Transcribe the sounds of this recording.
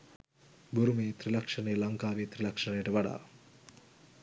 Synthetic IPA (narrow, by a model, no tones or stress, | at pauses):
boɾumeːt̪ɾilɐkʂɐnəjlaŋkaːʋeːt̪ɾilɐkʂɐnəjəʈəʋaɽa̰ː